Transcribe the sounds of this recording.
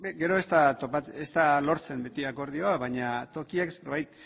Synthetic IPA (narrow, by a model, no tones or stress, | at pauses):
ɡe̞ɾo̞e̞st̪at̪o̞pat͡sest̪alo̞ɾt͡se̞mbe̞t̪iako̞ɾð̞ioaβaɲat̪o̞kiekseɾβajt̪